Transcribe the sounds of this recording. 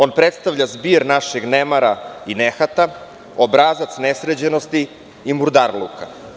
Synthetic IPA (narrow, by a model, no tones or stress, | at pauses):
o̞npɾet̪st̪aʋʎazbiːɾnaʃeɡnemaɾainexat̪a | obɾazat̪snesɾed͡ʑenost̪i | imuɾd̪aɾlṵkʰa